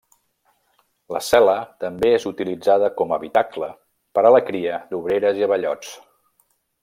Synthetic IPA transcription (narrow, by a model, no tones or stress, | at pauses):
ləsɛlət̪əmbeezut̪ilid͡zaðəkɔməβit̪aklə | pəɾələkɾiəd̪uβ̞ɾeɾəziəβəʎɔt͡s